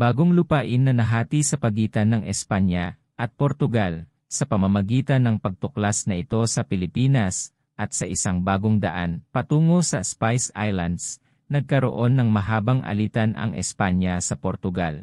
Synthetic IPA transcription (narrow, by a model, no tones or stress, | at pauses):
baːɡoŋlʊpaːʔɪnːɐnɐɦaːt̪isɐpɐɡiːt̪ɐnːɐŋʔɛspanjɐ | ʔɐt̪̚poɾt̪ʊɡal | sɐpɐmɐmɐɡiːt̪ɐnːɐŋpɐɡ̚t̪ʊklasnɐʔɪt̪o̞sɐpɪlɪpiːnɐs | ʔɐt̪̚sɐʔɪsaŋbaːɡoŋd̪ɐ̰ʔa̰npɐt̪uːŋosɐspajsajlɐnd̪s | nɐɡ̚kɐɾo̰ʔo̞nːɐŋmɐɦaːbɐŋʔɐ̰liːt̪ɐnɐ̰ŋʔɛ̰spanjɐsɐpoɾt̪ʊɡal